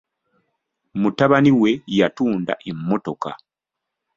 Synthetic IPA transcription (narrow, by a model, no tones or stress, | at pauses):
mutaβaniwe̞jatuːnda̰ʔemːo̞to̞ka̰